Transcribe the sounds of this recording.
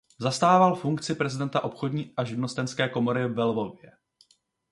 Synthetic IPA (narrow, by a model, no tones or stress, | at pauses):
zast̪aːvalfuŋkt͡sɪpɾɛzɪdɛnt̪aʔo̞pxodɲiːʔaʒɪdnost̪ɛnskɛːko̞mo̞ɾɪvɛlvo̞vjɛ